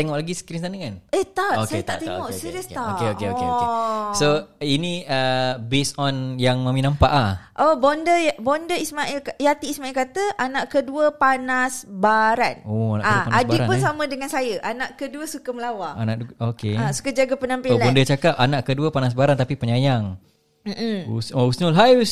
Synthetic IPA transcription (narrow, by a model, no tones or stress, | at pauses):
t̪eŋɔʔlaɡisə̥kiɾinsanəkaneht̪aʔoksaejət̪aʔt̪eŋɔʔiɾiəsaokeokeokeoesoiniəbesɔnjaŋmaminãmpa̰ʔlhʔobɔndəabɔndəismaʔilkajat̪iːsmailkat̪əʔanaʔkəduəpanasbaɾanoana̰kaɡupanadaiɾapʊnsamə̃dəŋansajəʔanaʔkəduəsukaməlawaanaʔokeaʔsu̥kad͡ʒaɡapənampiolabɔndət͡ʃakap̚anaʔkəduəpanas̬baɾant̪apipəɲajaŋ | m̩m̩ṵsousnulɦajus